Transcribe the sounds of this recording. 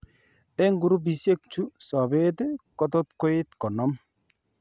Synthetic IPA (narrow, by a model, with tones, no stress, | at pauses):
e˦ŋɡu˨ɾu˦bi˨sje˦k̚t͡ʃu˦sɔ˨be˦t̪e˦kɔ˦t̪ɔ˦t̪ko˦ɪ˦t̪kɔ˨nɔ˦m